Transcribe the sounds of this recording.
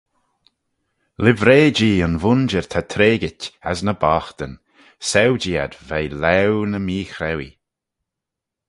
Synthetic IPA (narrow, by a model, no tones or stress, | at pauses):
lɪvɾeːd͡ʒiːənvʊnd͡ʒəɹt̪ʰat̪ʰɾeːɡɪta̰znəbaːxt̪ən | sɛwd͡ʒiːa̰d̪vɛjlɛwnəmiːxɾɛwi